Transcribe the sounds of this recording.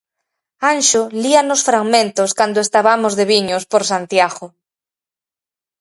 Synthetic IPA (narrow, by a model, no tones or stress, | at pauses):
anʃolianosfɾaɣmẽnt̪oskand̪oest̪aβamozðeβiɲospoɾsant̪jaɣo